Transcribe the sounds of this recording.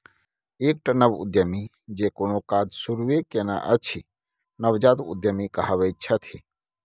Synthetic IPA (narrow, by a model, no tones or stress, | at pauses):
eːk̚ʈənəbṵd̪jəmi | d͡ʒekonokaːd͡ʒ̪suɾʋekena̰ʔət͡ʃʰi | nəwd͡ʒaːt̪ṵd̪jəmikɐɦaʋəjt͡ʃʰət̪ʰi